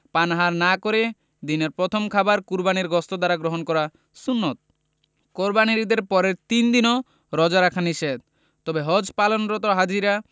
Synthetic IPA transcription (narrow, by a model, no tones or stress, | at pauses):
panɦaɾnakoɾe | d̪ineɾpɾɔt̪ʰomkʰabaɾkuɾbaniɾɡɔst̪od̪aɾaɡɾoɦɔnkɔɾa | sunːɔt̪̚ | koɾbaniɾid̪eɾpɔɾeɾt̪ind̪inɔ | ɾɔd͡ʒaɾakʰaniʃed̪ | t̪ɔbeɦɔd͡ʒpalɔnɾɔt̪ɔɦad͡ʒiɾa